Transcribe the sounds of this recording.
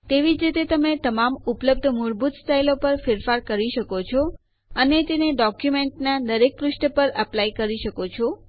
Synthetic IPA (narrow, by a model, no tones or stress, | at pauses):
t̪eʋid͡ʒit̪et̪əmet̪əmamupləb̚d̪ʱəmʊɾbud̪sʈailopəɾfɪɾfaɾkəɾiʃəkot͡ʃʰɔ | ənet̪eneɖɔkjumeɳʈnad̪əɾek̚pɾuʃʈəpəɾəplaikəɾiʃəkot͡ʃʰɔ